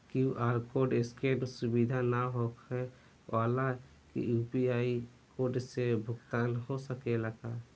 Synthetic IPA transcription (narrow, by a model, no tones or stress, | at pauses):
kiuʔaːɾkoɾɖɪskeɖsʊbid̪ʱanaɦokɛ | wʔaːla | kḭjupiaːi | koːɾɖsebʱʊɡt̪aːnɦosəkelaɡa